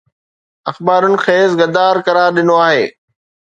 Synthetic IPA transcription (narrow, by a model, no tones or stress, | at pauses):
ɐxbaːɾʊnɪ̆xeːsɡɐd̪aːɾkɐɾaːɾɗɪnoaːɦeː